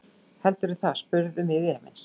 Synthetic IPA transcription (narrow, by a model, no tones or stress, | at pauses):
hɛlt̪ʏɾθaðspʏɾðʏmɪðiɛːmɪ̰ns